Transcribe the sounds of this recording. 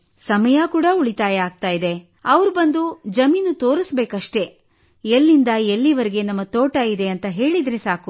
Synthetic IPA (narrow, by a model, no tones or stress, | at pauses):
sɐmɐjɐkuːɽɐuɭit̪aːjɐaːɡ̚t̪aːjid̪e̞ | ɐʋɐɾubɐnd̪ud͡ʒɐmiːnut̪o̞ːɾisbe̞ːkɐʂʈe̞ | elːind̪ɐelːiʋɐɾeɡe̞nɐmːɐt̪oːʈɐid̪e̞ɐnt̪ɐɦe̞ːɭid̪ɾe̞saːku